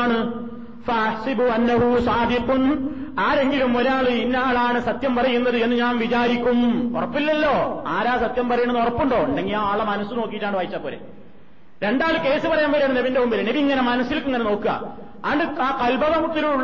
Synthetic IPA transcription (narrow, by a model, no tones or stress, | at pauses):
ɳɨ | fɐːħsibuɐnːɐɦusaːd̪iqun | aːɾe̞ŋɡilumoɾaːɭɨinːaːɭaːɳɨsɐt̪jɐmpɐrɐjunːɐðɨe̞nːɨɲaːnʋit͡ɕaːɾikʲːumo̰rɐpːilːɐlːo̞ːaːɾaːsɐt̪jɐmpɐrɐjuɳɐnorɐpːuɳɖo̞ːeɳɖeŋːɡilaaːɭːɐmɐnɐsːɨno̞ːkːijiʈːaːɳɨʋaːjit͡ɕːaːpoːlḛ | ɾe̞ɳɖaːɭɨke̞ːsɨpɐrɐjaːmpɐɾijaːɳneʋindeumbilɐneʋiiŋːɐne̞mɐnɐsːilkːeŋːɐneno̞ːkːuɣɐ̰ | a̰ːɳɖɨaːkɐlbɐðɐmut̪ːiluu